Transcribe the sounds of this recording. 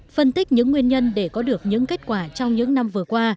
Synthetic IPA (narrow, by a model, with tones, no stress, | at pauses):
fə˧nt̪i˦˥k̟̚ɲɨ̰˧˥ŋːwi˧ənɲə˧nɗe˧˩kɔ˨˦ɗɨ˨˩ək̚ɲɨ̰˧˥ŋke˦˥t̚kwaː˧˩t͡ɕɔ˧wŋ͡mɲɨ̰˧˥ŋna˧mvɨ˨˩əkwaː˧